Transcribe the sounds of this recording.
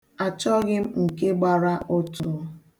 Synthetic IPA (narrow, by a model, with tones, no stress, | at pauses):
a˨t͡ʃɔ˦ɣɪ˦m̩˦ŋ̩˨ke˦ɡ͡ba˨ɾa˦ʔo˦tʊ˦